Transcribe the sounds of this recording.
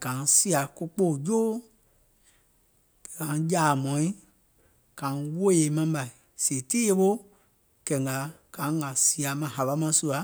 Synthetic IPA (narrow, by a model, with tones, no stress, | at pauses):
ɡ̥ã˨˦si˦a˨ku˦k͡po˦˨d͡ʒoː˦ | e˨kã˨˦d͡ʒaː˨mɔ̃˨˦ĩ˦ | kã˨˦wo˦e˨˦mã˧˦ba˨i˨ | se˨tiː˦e˦ɓo˦ | kɛ˨ŋ˨ɡa˨ | ɡ̥ã˨˦ɡa˨si˦˧a˨mã˨ɦa˨ɓa˧˦mã˧˦su˧a˨˦